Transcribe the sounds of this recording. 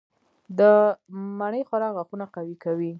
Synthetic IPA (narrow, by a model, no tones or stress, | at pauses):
d̪əmaɳəjxʊɾɑɣaxunaqawikawi